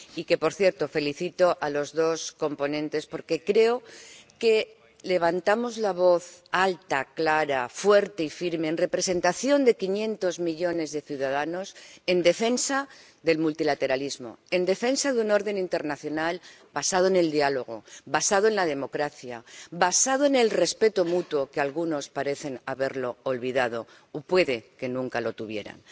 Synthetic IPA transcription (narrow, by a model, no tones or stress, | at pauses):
ike̞po̞ɾθje̞ɾt̪o̞fe̞liθit̪o̞ʔalo̞zðo̞sko̞mpo̞nẽ̞nt̪e̞spo̞ɾke̞kɾe̞oke̞ | le̞β̞ant̪amo̞zlaβ̞o̞θalt̪aklaɾafwe̞ɾt̪eifiɾme̞ːnre̞pɾe̞se̞nt̪aθjo̞nd̪e̞kinjẽ̞nt̪o̞zmiʎo̞ne̞zðe̞θjuðað̞ano̞se̞nd̪e̞fe̞nsa | ðe̞lmult̪ilat̪e̞ɾalizmo̞̰e̞nd̪e̞fe̞nsaðuno̞ɾðe̞nint̪e̞ɾnaθjo̞nal | basað̞oene̞ld̪ialo̞ɣ̞o̞̰βasað̞oe̞nlað̞e̞mo̞kɾaθjaβasað̞oene̞lre̞spe̞t̪omut̪wo̞kealɣuno̞spaɾe̞θe̞naβe̞ɾlo̞ːlβiðað̞o̞ | opwe̞ðe̞ke̞nũŋkalo̞t̪uβje̞̰ɾa̰n